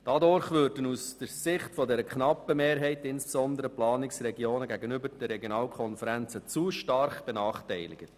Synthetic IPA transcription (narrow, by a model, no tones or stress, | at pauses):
d̥ɑdʊɾχʋʏɾdənusd̥əɾsɪχtfɔdɛɾəkʰnɑpːəmeːɾɦɛɪtɪnsb̥esɔnd̪əɾəplɑːnɪksɾɛɡioːnəɡæɡənʏbəɾd̥ɛrːɛɡjonɑːlkʰɔnfəɾænt͡sət͡suʃtɑrχb̥ɛnɑːχtɛɪlɪ̰ɡ̥ə